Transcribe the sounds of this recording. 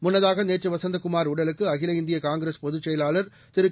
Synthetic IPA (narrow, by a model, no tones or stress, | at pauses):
mʊnːɐðaːɣɐneːʈrɯʋɐsɐnd̪ɐkʊmaːɾʊɽɐlɯkːɯɐɣɪlɐɪnd̪ɪjɐkaːŋɡɪɾespɔðɯt͡ʃːɛjɐlaːlɐɾ | t̪ɪɾɯ